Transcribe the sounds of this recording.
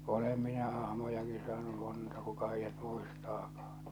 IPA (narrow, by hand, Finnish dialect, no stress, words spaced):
olem minæ ɑhmojɑki sɑːnu montɑ kukɑ heijːæt muistɑːkɑ̥ː